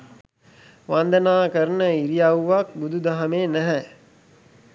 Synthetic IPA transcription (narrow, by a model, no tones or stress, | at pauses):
ʋand̪ənaːkəɾənəiɾijawʋak̚bud̪ud̪aɦameːnæɦɛ